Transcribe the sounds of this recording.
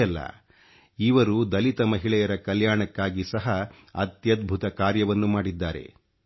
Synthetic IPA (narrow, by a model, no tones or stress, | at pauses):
ɐlːɐ̰ | iʋɐɾud̪ɐlit̪ɐmɐɦiɭɛjɐɾɐkɐljaːɳɐkːaːɡisɐɦɐ | ɐ̰t̪jɐd̪̚bʱut̪ɐkaːɾjɐʋɐnːumaːɽid̪ːaːɾe̞̰